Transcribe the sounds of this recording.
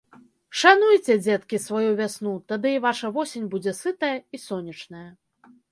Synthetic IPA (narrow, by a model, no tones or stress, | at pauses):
ʂanujt͡sʲɛd͡zʲɛt̪kʲisvajuvʲasnut̪ad̪ɨvaʂɐvɔsʲenʲbud͡zʲɛsɨt̪ɐjɐisɔnʲɐt͡ʂnɐjɐ